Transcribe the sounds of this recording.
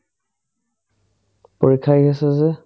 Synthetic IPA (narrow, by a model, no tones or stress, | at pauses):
poɹikʰajɦasɛzɛ